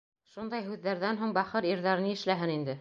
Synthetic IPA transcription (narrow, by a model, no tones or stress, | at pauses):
ʃund̪ɑjɦʉðːæɾðænɦuɴbɑχɤɾiɾðɑɾɤniɘ̆ʃlæɦɘnind̪ɘ